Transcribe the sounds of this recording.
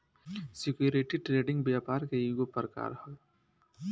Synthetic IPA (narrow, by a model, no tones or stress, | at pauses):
sikjuɾeʈiʈɾeːɖiŋɡbjaːpaːɾkɐiɡopɐɾka̰ːɾhɐl